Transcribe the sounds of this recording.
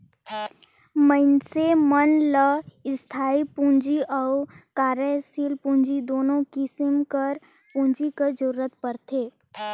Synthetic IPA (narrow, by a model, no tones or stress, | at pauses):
mə̃ɪnsemənləɪst̪ʰaːipũːnd͡ʒiʔɔʊkaːɾəsiːlpũːɲd͡ʒid̪oːnõkɪsɪmkəɾ | pũːnd͡ʒikəd͡ʒəɾuɾət̪̚pəɾt̪ʰeː